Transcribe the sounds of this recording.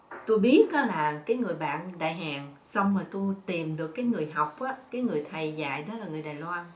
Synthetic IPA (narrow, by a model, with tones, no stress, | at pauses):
t̪u˧jɓi˦˥ət̚kɔ˨˦laː˨˩kaː˨˦jŋɨ˨˩əjɓa̰ː˧˨nɗa̰ː˧˨jɦaː˨˩ŋ | sa˧wŋ͡mmaː˨˩t̪u˧jt̪i˨˩mɗɨ˨˩əkːaː˨˦jŋɨ˨˩əjɦa˨˩wk͡p̚ʔaː˨˦kaː˨˦jŋɨ˨˩əjt̪ʰə˨˩jza̰ː˧˨jɗɔ˨˦laː˨˩ŋɨ˨˩əjɗaː˨˩jlwaː˧n